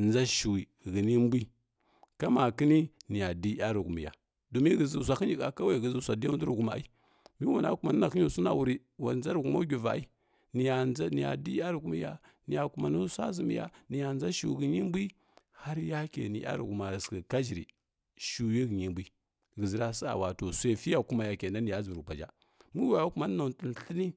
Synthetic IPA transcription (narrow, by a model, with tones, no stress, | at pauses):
nd͡za˦ʃi˨wi˨ɣi˨ni˦m˦bi˦ | ka˦ma˨ki˦ni˦ni˨ja˨di˦a˦ɾu˨ɡu˨mḭ˨ja̰˨ | do˨mi˦ɡə˨zi˨s̬ʷa˨ki˦nd͡ʒi˨ka˨ka˦wa˦˨ɡə˨zə˨sʷa˨di˦a˦du˦ɾu˨ɡu˨ma̰˨˦i˦ | mi˦wa˨na̰˦ku˨ma˨nə˦na˨ki˦u˨su˦na̰˨wu˨ɾi˦wa˨nza˦ɾɡu˨ma˦u˦ɡʲi˨va̰˨i˦ | ni˨ja˨a˦ni˨ja̰˨di˦a˦ɾi˨ɡu˦mi˦ja˦ | ni˨ja˨ku˨ma˨nu˦sʷa̰˦zə˨mḭ˨ja̰˨ni˨ja˨nd͡za˦ʃu˨ɡə˨ɲi˦m˦bi˦ | ha˦ɾja˦kḛ˨nḭ˨˦a̰˦ɾḭ˨ɡu˨ma˨skə˨ka˦d͡ʒi˨ɾḭ˨ | ʃu˨ji˦ɡi˨ɲi˦˨mbi˦ | ɡə˨zi˨ɾa˦sa̰˨wa˨to˨sʷe˦˨fi˦ja˨ku˦ma˨ja˨ke˨na˦ni˨ja˦zu˨ɾu˨k͡pa˨d͡ʒa̰˦ | mu˦a˨ja˦ku˨ma˨n˦a˨tə˨n˨˦ɬi˦ni˦